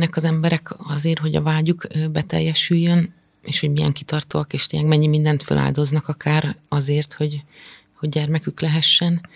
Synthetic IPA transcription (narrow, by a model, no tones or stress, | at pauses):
nɛkɒzɛmbɛɾɛkɒzeːrɦo̞ɟɒ̰vaːɟuɡbɛt̪ɛ̰jːɛʃyjːøn | ḛːʃhoɟmijɛ̰ŋkit̪ɒrt̪oɒkeːʃt̪ejɛkmɛɲːimind̪ɛnt̪fø̰lʔa̰ːld̪o̞znɒkɒkʰaːɾɒzeːrt̪ho̞ɟ | ho̞ɟɟɛrmɛkyklɛɦɛʃːɛn